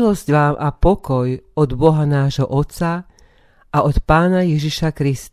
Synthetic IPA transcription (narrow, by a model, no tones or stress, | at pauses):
lɔzcʋaːmʔapɔkɔjɔd̪bɔɦanaːʒɦɔʔɔt̪t͡sa | ʔaʔɔt̪paːnajɛʒiʃakɾis